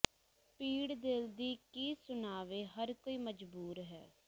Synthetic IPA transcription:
piːɽd̪ɪld̪iːkiːsʊnaːʋeːɦəɾkoːiːməd͡ʒbuːɾɦɛ̰ː

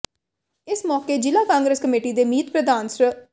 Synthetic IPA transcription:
ɪsmɔːkeːd͡ʒɪlaːkãːŋɡɾəskəmeːʈiːd̪eːmiːt̪̚pɾəd̪aːnsə

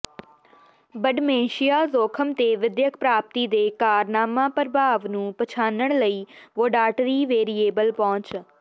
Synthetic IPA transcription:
bəɖmeːʃijaːzoːkʰəmt̪eːʋɪd̪jəkʰpɾaːp̚t̪iːd̪eːkaːɾnaːmãːpəɾbʱaːʋnũːpət͡ʃʰaːnəɳ̃ləiːʋoːɖaːʈəɾiːʋeːɾieːbəlpɔ̃ːt͡ʃ

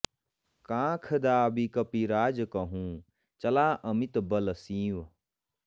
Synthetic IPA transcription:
kãːkʰəd̪aːbikɐpiɾaːd͡ʒkɐɦũː | t͡ʃɐlaːʔɐmit̪bɐlsĩːʋ

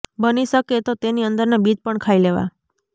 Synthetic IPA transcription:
bəniʃəket̪ot̪eniənd̪əɾnabid͡ʒpəɳkʰaileʋa̰

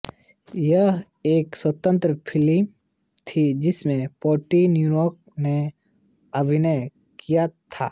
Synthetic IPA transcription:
jə | eːkswət̪ə̃nt̪ɾəpʰɪli | t̪ʰid͡ʒɪsmẽpoːʈinjujɔːk̚ | ne | ɐbʱɪnəj | kijat̪ʰa̰ː

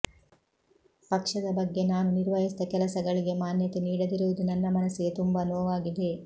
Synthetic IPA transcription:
pɐkʂɐd̪ɐbɐɡːe̞naːnuniɾʋɐɦisd̪ɐkɛlɐsɐɡɐɭiɡe̞maːnjɐt̪eniːɽɐd̪iɾuʋud̪unɐnːɐmɐnɐsːiɡe̞t̪umbanoːʋaːɡid̪e̞

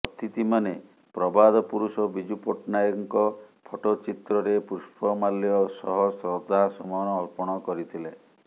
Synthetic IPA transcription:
ɔt̪ʰit̪imane | pɾɔbad̪ɔpuɾusɔbid͡ʒupɔʈnajɔŋkɔpʰoʈot͡ʃit̪ɾɔɾepuʃpʰɔmaljɔsɔɦɔsɾɔd̪ʱasɔmɔnɔːlpɔɽ̃ɔkɔɾit̪ʰile

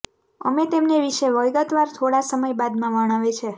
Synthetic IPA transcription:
ə̰met̪emneʋiʃeʋəjɡət̪ʋaɾt̪ʰoɽasəməjbad̪mãʋəɽ̃aʋet͡ʃʰe

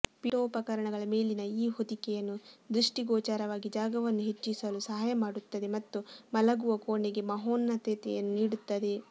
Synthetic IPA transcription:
piʈoːpɐkɐɾɐɳɐɡɐɭɐme̞ːlinɐiːɦod̪ikɛjɐnːud̪ɾuʂʈiɡoːt͡ʃaːɾɐʋaːɡid͡ʒaːɡɐʋɐnːuɦe̞t͡ʃːisɐlusɐɦaːjɐmaːɽut̪ːɐd̪e̞mɐt̪ːumɐlɐɡuʋɐkoːɳeɡe̞mɐɦoːnːɐt̪eːt̪ɛ̰jɐnːuniːɽut̪ːɐd̪e̞

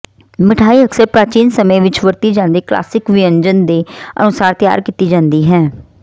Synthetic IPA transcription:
mɪʈʰaːiːəksəɾpɾaːt͡ʃiːnsəmẽːʋɪt͡ʃʋəɾt̪iːd͡ʒãːnd̪iːkla̰ːsɪkʋɪəɲd͡ʒənd̪eːə̰nʊsaːɾt̪ɪja̰ːɾkiːt̪iːd͡ʒãːnd̪iːɦɛ̃ː

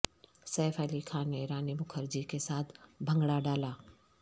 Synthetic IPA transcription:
sɛːfɛːlikʰaːneɾaːnebʊkʰəɾd͡ʒikesaːt̪ʰbʱə̃ŋɡɽaɖaːlaː

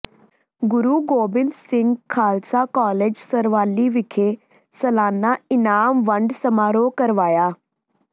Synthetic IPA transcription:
ɡuɾuːɡoːbɪnd̪siŋɡkʰaːlt͡sakɔːled͡ʒsəɾʋaːlːiːʋikʰe | səlaːnːaɪnaːmʋəɳɖsəmaːɾokəɾʋaːja

